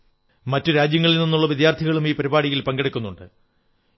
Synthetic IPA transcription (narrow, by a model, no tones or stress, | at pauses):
mɐtːɨɾaːd͡ʑjɐŋːɐɭilninːuɭːɐʋid̪jaːrt̪ʰiɣɐɭumiːpɐɾibaːɽiɣilpɐŋɡeɽɐkʲːunːuɳɖɨ